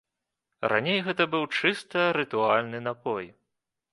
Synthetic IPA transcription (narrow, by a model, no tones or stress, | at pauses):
rʔa̰nʲejɣɛt̪ɐbɨwt͡ʂɨst̪ɐɾɨt̪ualʲnɨnapɔj